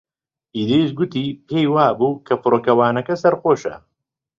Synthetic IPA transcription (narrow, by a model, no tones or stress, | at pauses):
ʔiːd̪eʃɡʊt̪iːpʰejwaːbuːkʰɐfɨɾoːkɐwaːnɐkɐsɐɾxoːʃɐ̰